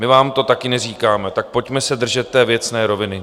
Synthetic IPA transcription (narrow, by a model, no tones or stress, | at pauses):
mɪvaːmt̪o̞t̪akɪnɛriːkaːmɛt̪ak̚po̞cmɛsɛd̪r̩ʒɛt̪ːɛːvjɛt͡snɛːɾo̞vɪnɪ